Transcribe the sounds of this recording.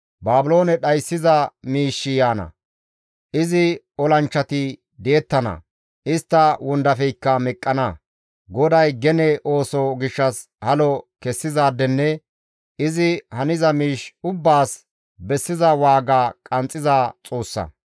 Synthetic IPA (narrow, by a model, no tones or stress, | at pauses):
baːbʊlo̞ːnɛɗɐjsːɪzɐmiːʃːɪjaːnɐ̰ | ʔɪzɪ | ɔlɐnt͡ʃːɐt̪ɪ | d̪eːt̪ːɐnɐ̰ | ʔɪst̪ːɐwɔnd̪ɐfɛjkːɐmɛkʼːɐnɐ | ɡɔd̪ɐjɡɛnɛʔo̞ːsɔɡɪʃːɐs | hɐlɔkɛsːɪzaːd̪ːɛnːɛ | ɪzɪhɐnɪzɐmiːʃʊbːaːs | bɛsːɪzɐwaːɡaːkʼɐnt͡sʼːɪzaːt͡sʼoːsːɐ̰